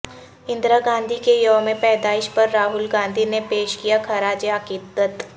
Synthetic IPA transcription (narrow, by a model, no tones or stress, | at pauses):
ɪ̃nd̪ɾaɡãːnd̪ʱikejoʋmẽpɛːd̪aːɪʃpɐɾːaːɦʊlɡãːnd̪ʱinepeːʃkijakʰɐɾaːd͡ʒeaːkɪd̪ət̪